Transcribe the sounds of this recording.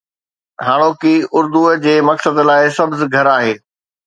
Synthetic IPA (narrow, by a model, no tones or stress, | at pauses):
ɦaːɽ̃oːkiʊɾd̪ud͡ʑeːmɐksəd̪laːɪsɐbzɪɡʱɐɾaːɦeː